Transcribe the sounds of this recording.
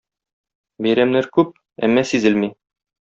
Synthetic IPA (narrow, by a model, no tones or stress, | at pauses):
bæjɾæmnæɾkʉp̚ | æ̰mːæsizɘlmi